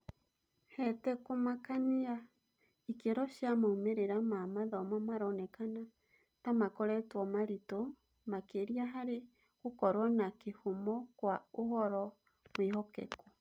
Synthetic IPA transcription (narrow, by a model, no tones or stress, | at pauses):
hɛtɛkomakania | ikeɾɔʃjamaumeɾeɾamamaðɔmamaɾɔnɛkana | tamakɔɾɛtwɔmaɾitɔ | makeɾiaɦaɾe | kokɔɾwɔnakehomɔkwaohɔɾɔ | mwihɔkɛ̰ku